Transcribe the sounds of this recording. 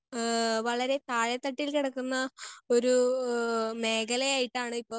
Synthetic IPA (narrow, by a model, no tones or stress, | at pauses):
ʋɐɭɐɾe̞t̪aːɻɐt̪ːɐʈːilkiɽɐkːunːɐo̞ɾu | me̞ːɡɐlɐjaːjiʈːaːɳɨipːo̞ː